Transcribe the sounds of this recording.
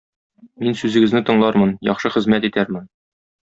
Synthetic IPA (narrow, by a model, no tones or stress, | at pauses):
minsʉzɘ̆ɡɘ̆znɘt̪ɤ̆ɴlˠɑɾmɤnjɒ̰χʃɤχɘ̆zmæt̪it̪æɾmɘn